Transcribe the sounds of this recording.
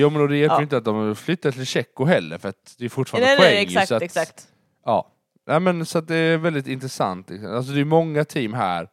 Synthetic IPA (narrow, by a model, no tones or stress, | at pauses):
juːmɛnɔd̪ɛjæɾɪnt̪əat̪̚d̪ɔmflʏt̪ːaʈʰɪlɕɛkːʊɦɛlːə̰ɾfœɾat̪d̪ɛɾfʊʈːfɑːɾdəɛɛasɔat̪ɛksakt̪ | ɑ̰ː | nʔæɪmɛnsɔat̪̚d̪ɛvɛld̪ɪt̪ɪnt̪ɾɛsa̰nt̪ʰlɪksɔ̰mals̬ɔd̪ɛjʉmɔŋːat̪ʰiːmɦæ̰ːɾ